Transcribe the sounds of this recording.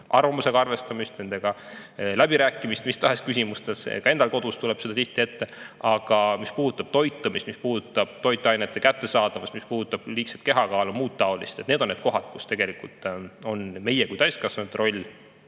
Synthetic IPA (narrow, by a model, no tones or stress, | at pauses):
ʔɑ̰rvɑmuse̞ɡɑɑrve̞st̪ɑmist̪ne̞nd̪̥e̞ɡ̥ɑlæbiɾæːkːˑimist̪mist̪ɑɦe̞skysʲimust̪e̞sḛkɑe̞nd̪ɑlko̞d̪̥ust̪ule̞b̥sed̪ɑt̪iht̪ie̞t̪ːe̞ʔɑɡ̥ɑmispuːd̪ut̪ːˑɑb̥̚t̪o̞jt̪ːˑɑmist̪mispuːd̪ut̪ːˑɑb̥̚t̪o̞jt̪ːˑeɑjnet̪ːˑe̞kæt̪ːe̞sɑːd̪̥ɑvɑst̪mispuːd̪ut̪ːˑɑb̥liːkset̪̚ke̞ɦɑkɑːlumuːt̪̚t̪ɑo̞list̪et̪ned̪onːe̞d̪ko̞ɦɑt̪ku̥st̪e̞ɡe̞likult̪ˑo̞nme̞jekujt̪æjskɑsɑnut̪ro̞lʲː